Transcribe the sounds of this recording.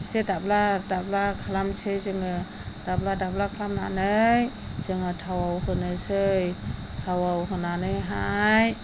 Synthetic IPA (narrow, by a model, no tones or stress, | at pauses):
sedabladablakʰalamsɯjzɯŋɯ | d̥abladablakʰalamna̰nɯj | z̥ɯŋɯtʰawawhɯnɯsɯj | tʰawawhɯnanɯjɦaj